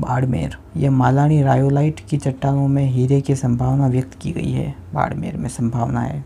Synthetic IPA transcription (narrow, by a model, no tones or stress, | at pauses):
ba̰ːɽmḛːɾjɐmaːlaːɽ̃iɾaːjolaːɪʈkit͡ʃɐʈːaːʋõmẽɦiːɾekesɐ̃mbʱaːʋnaʋjɐk̚t̪kiɡɐ̰ḭɦɛ̰ːba̰ːɽmḛːɾmẽsɐ̃mbʱaːʋna̰ɦɛ̰ː